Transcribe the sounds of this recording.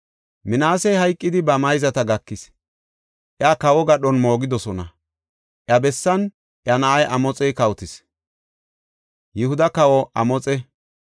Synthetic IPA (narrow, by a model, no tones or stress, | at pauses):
mɪnaːsɛjhɐjkʼːɪd̪ɪbɐmɐjzɐt̪ɐɡɐkːɪs | ʔjakɐwɔɡɐɗɔnmo̞ːɡɪd̪ɔsɔnɐ | ʔjɐbɛsːɐn | ʔjɐnɐʔɐjʔɐmɔt͡sʼɛjkɐwt̪ɪs | jɪhʊd̪ɐkɐwɔʔɐmɔt͡sʼɛ